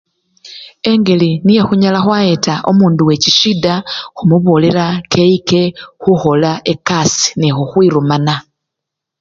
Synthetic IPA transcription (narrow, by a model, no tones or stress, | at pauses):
e̞ŋɡe̞linije̞xuɲalaxwaetaʔomuːnduwe̞ciʃidaxumuβole̞ɾake̞ike̞xuxo̞laʔekasi̥nixuxwiɾumana